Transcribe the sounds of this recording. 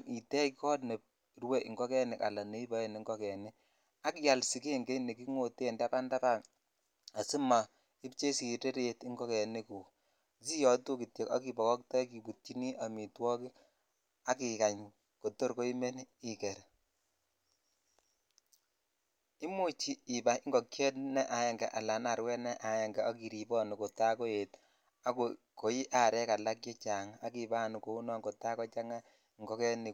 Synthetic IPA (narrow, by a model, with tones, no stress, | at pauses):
i˨tɛ˦ikɔ˦tne˨p̚ | ɾwe˦ʔḭ˨ŋɡɔ˦kɛ˦nɛ˨ka̰˨la˨ne˨˦i˦bɔ˨˦ɛ˦˨ni˨ŋɡɔ˦kɛ˨ni˦ | a˦ki˦ja˨lsi˨ke˦˨ŋɡe˦ne˨ki˦ŋo˨te˦˨nda˦pa˦nda˦pa˦˨n | a˨si˦ma˨ | i˦pt͡ʃe˦si˨te˦ɾeti˦ŋɡɔ˦kɛ˨ni˦ku˨ | si˦jɔ˨˦tu˦ki˨tje˨ka̰˦ki˨bɔ˨kɔ˦ktɔ˦jki˨pu˨t̚t͡ʃi˦ni˦ʔa˨mi˨twɔ˦ki˦ | a˦ki˨ka˨ɲ | ko˨to˦ɾko˦i˦me˦n˦i˦kɛ˨ɾ | i˦mu˦t͡ʃi˦i˨ba˦ɪ˦ŋɡɔ˨kjɛ˦tnɛ˦ʔa˨jɛ˨ŋɡɛ˨ʔa˨la˨na˨ɾwɛ˦nɛ˦ʔa˨jɛ˨ŋɡɛ˨ɔ˦ki˨ɾi˨bɔ˦ni˨ko˨ta˦ko˦je˨t | a˦koko˨i˦ʔa˨ɾɛ˦ka˨la˦k̬jɔ˦t͡ʃa˨ŋa˦ki˨baː˦nu˨ko˨u˦nɔ˦ŋko˨ta˦kɔ˦t͡ʃa˦ŋa˦˨ | ŋɡɔ˦kɛ˦ni˨